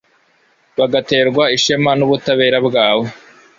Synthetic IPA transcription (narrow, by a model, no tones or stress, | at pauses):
βaɡate̞ːɾɡwaiʃemanuβutaβe̞ːɾabɡaːwe